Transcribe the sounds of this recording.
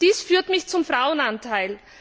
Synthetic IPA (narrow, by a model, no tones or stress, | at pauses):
d̥iːsfyːɐtmɪçt͡sʊmfʁ̥aʊənantʰaɪl